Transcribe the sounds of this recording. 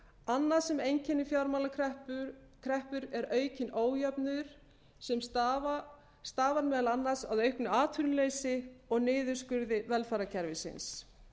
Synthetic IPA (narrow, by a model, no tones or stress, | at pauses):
anːḁsɛmejɲcʰɛnːɪfjawɾmalakʰɾɛp | kʰɾɛhpʏɾɛɾœːɥcɪnoːwjapnʏðʏɾ̥ | sɛms | st̪aːvanmɛːðalanːaɾsa̰ðœɥhknʏaːt̪ʰʏɾnʏleːjsɪɔɣnɪːðʏ̥skʏɾðɪvɛlfaːɾacʰɛɾvɪsɪ̰ns